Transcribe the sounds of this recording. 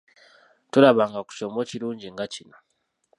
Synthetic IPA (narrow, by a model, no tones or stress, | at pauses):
tuɾaβaŋɡaku̥comociɾuːɲɟiŋɡacino